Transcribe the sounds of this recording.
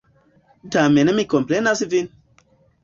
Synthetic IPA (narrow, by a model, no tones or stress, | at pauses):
tamenemikomplenas̬ivin